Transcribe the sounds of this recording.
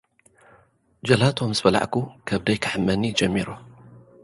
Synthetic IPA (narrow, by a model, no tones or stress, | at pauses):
d͡ʒɐlat̪ʰomzɨbɐla̰ʕkukʰɐβd̪ɐjkʰɨħɨmːɐnid͡ʒɐmːiɾo